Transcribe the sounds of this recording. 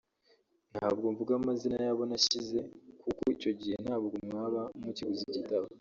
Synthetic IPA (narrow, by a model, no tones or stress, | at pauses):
n̥haːbɡoɱvuɡamazinajaβo̞naʃize̞kʰukoico̞ɟihe̞n̥haːbɡomŋaːβamuciɡuzicitaβa